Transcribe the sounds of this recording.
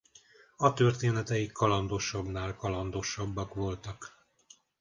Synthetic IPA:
ɒt̪ørt̪eːnɛt̪ɛjikʰːɒlɒnd̪o̞ʃɒbnaːlkɒlɒnd̪o̞ʃɒbːɒkʋo̞lt̪ɒk

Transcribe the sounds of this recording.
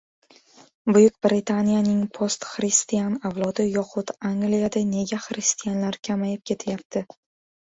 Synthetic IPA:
bʊjʊkʲbɾɪt̪ʰanijanɪŋpʰost̪χɾɪst̪ijanawlˠɒd̪ɪjɒqʰʊt̪aŋɡlijad̪ane̞ɡʲaχɾɪst̪ʰijanlaɾkʲʰamajɪp̚kʲʰe̞t̪ʰɪjap̚t̪ʰɪ

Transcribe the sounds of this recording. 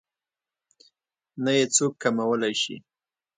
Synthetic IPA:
najet͡sokːamawəlajʃḭ

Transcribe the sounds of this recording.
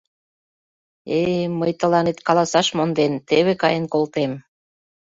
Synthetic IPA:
eməjt̪ə̆lɑnet̪kɑlɑsɑʃmond̪ent̪eβekɑjənkolt̪em

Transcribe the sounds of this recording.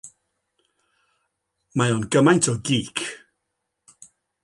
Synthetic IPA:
majɔnɡəmajntʰɔɡiːkʰ

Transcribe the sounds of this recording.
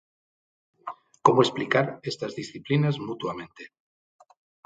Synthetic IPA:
komoesplikaɾest̪azðisθiplinazmut̪uamẽ̞nt̪e

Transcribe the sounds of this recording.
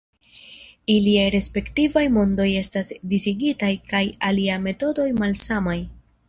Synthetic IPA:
iliajɾe̞spe̞ktivajmo̞ndo̞je̞stasdisiɡitajkajaliame̞to̞do̞jmalssamaj

